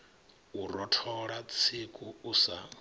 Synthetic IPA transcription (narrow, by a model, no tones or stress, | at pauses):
urɔtʰɔɺat͡sʰikʼuusa